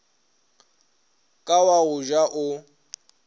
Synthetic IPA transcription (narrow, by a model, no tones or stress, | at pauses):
kʼawaɣʊʒaʔʊ